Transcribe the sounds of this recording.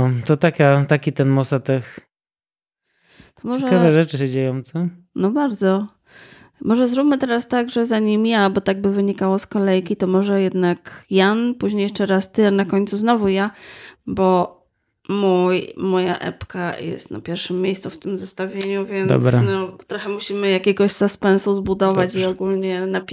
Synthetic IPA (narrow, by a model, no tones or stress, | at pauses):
ɔt̪ɔt̪akʲat̪akʲit̪ɛnmɔsat̪ɛx | t̪ɔmɔʐeʐɛkavɛʐɛt͡ʂɘɕɛd͡ʑejɔ̃mt̪sɔ | nɔbaɾd̪zɔ | mɔʐɛzɾupmɘt̪ɛɾast̪aɡʐɛzaɲimjabɔt̪aɡ̚bɘvɘɲikawɔskɔlɛjkʲit̪ɔmɔʐɛjɛd̪nakjanpuʑɲejɛʂt͡ʂɛɾast̪ɘanakɔɲʲt̪suznɔvujabɔ | mujmɔja̰ʔɛ̰pkajɛ̰st̪na̰pʲjɛɾʂɘmʲːjejst̪suft̪ɘmzast̪avʲjeɲuvʲjɛnd̪ɔ̰bɾa̰nɔt̪ɾɔxɛmuɕimɘjakʲɛɡɔɕsaspɛnsuzbud̪ɔvat͡ɕiɔɡulɲɛna